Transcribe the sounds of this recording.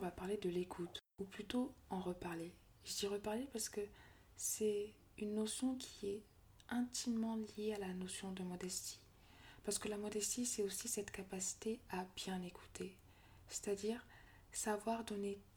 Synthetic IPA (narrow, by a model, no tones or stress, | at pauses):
vapaʁled̪əlekʰut̪uplyt̪oɑ̃ʁəpaʁle | ʒəd̪iʁəpaʁlepaʁsə̥kə | sɛ | ynːosjɔ̃kʲʰiɛ | ɛ̃t̪imːɑ̃ljealanosjɔ̃d̪əmɔd̪ɛst̪i̥ | paʁsə̥kəlamɔd̪ɛst̪isɛosisɛt̪kapasi̥t̪eabjɛ̃nekʰu̥t̪ʰe | se̥t̪ad̪iʁ | savwaʁd̪ɔne